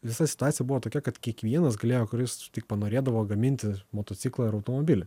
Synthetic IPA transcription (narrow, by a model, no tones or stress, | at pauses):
ʋʲɪsɐsʲɪ̥t̪ʊɑːsʲɪjɛbuʋoːt̪oːkʲɛkɐt̪kʲiɛkʋʲiɛnɐsɡɐlʲeːjoːkʊɾʲɪst̪ʲɪk̚pɐnoːɾʲeːd̪ɐʋoːɡɐmʲɪnʲt̪ʲɪmoːt̪oːt̪sʲɪklˠɐːɪɾɐʊt̪oːmoːbʲɪlʲɪ